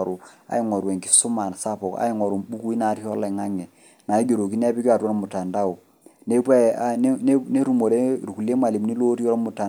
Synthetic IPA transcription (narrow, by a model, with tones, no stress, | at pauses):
ɾu˨a̰˨i˦ŋɔ˨ɾwɛ˨ŋki̥˨˦su˦ma˨n˨sa˦pɔ˨ka̰˦i˦ŋɔ˨ɾu˨ɓu˦ku˦i˦na˨˦ɾi˦ɔ˦la˨ŋa˦ŋɛ˨ | na˨i˦ɡo˨ɾo˨ki˦nɛ˦pi˦ki˦a˨tɔ˦lmu˨ta˨nda˦˨u˨ | ne˦pɛ˦a˦n˦n˦ne˦ɾu˨mo˨ɾe˦ɾu˨ku˨le˦ma˨li˨mni˦lo˦ɾi˦ɔ˦lmu˨ta˨